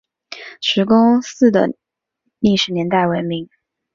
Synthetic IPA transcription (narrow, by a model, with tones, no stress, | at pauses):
ʂɻ̩˧˥kʊ˥ŋsɹ̩˥˩d̪ə̰˩ | li˥˩ʂɻ̩˨˩njɛ˧˥nt̪a˥˩ɪwə˧˥nmi˧˥˦ŋ